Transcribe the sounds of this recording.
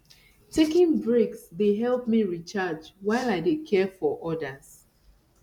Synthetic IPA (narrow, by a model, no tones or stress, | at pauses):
tʰekĩŋbɹeksdeɦɛlˠp̚miɹit͡ʃad͡ʒwaɪlaɪdekʰɛfɔʔɔdəs